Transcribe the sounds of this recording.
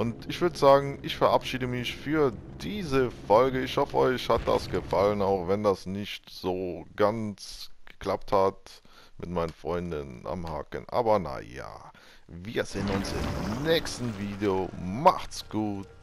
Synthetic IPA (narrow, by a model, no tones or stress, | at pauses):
ʔʊntɪçv̥ʏɐdəzaːɡŋ̩ʔɪçfɛɐʔapʃiːdəmɪçfyːɐd̥iːzəfɔlɡəɪçhɔfəʔɔʏçhat̚d̥a̰sɡ̥əfalənaʊxv̥ɛndasnɪçtz̥oːɡant͡sɡ̥ə̥kl̥ap̚that | mʔɪ̰tmaɪnənfʁ̥ɔʏndənʔa̰mha̰ːkə̰nʔa̰ːbɐna̰ja̰ː | viːɐzeːənʊnsɪ̰mnɛːkstn̩viːdeomaχtsɡ̥uːt